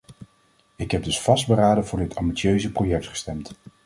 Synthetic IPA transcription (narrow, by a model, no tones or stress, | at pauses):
ɪkɦɛb̚dɵsfɑsd̚bəɾaːdəvʊːɹdɪtʰɑ̰mbitsjøɥzəprojɛk̚tχə̥stɛmt